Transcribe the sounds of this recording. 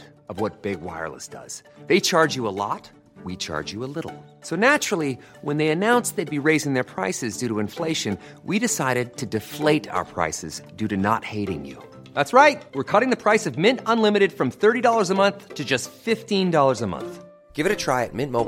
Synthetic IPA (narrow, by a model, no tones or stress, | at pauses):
ʌvwʌt̚b̥ɪɡwa̰ɪə̰˞lˠə̰sd̥ʌ̰z̥ðeɪt͡ʃʰɑɹd͡ʒjɨəlɔ̰t̚ | wit͡ʃʰɑ̰ɹd͡ʒjɨəlɪɾl̩ˠsoʊnæt͡ʃɹ̥l̩ˠi | wə̃nðeɪɨnãʊ̃nsðeɪd̚biɹeɪzɪ̃ŋðə˞pʰɹ̥aɪsɨzdʉɾəɨ̃ɱfleɪʃɨ̃n | wiɾɨsaɪɾɨd̚tʰɨdɨfleɪɾa̰ʊə˞pʰɹ̥a̰ɪsɨzdʉɾɨnə̰t̚heɪɾɪ̰̃ŋjʉ̰ | ðætsɹaɪt̚wɨɹkʰʌɾɪ̃ŋðɨpʰɹ̥aɪsʌvmɪ̃ntə̃nlɪ̃mɨɾɨd̥fɹʌ̃mθɜ˞ɾidɔlˠə˞zəmʌ̃nθtʰɨd͡ʒʌstfɪftĩndɔlˠə˞zəmʌ̰̃nθ | ɡ̥ɪvɨɾɨtʰɹ̥aɪɨ̰t̚mɪ̃nmoʊ